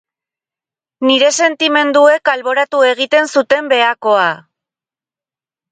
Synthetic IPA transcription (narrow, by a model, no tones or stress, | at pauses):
niɾe̞se̞nt̪ime̞nd̪ue̞kalβo̞ɾat̪ue̞ɣ̞it̪e̞nsut̪e̞mbe̞ako̞a